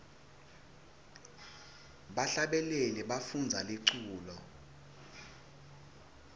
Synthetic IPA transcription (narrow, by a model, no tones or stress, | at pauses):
ɓaɬaɓɛlelɛɓafund͡zʱaleǀuːlɔ